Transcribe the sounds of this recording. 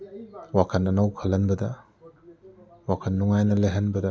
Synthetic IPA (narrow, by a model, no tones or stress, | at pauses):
wakʰɐnɐnawkʰɐlɐnbɐdɐ | wakʰɐnːuŋajnɐleɦɐnbɐdɐ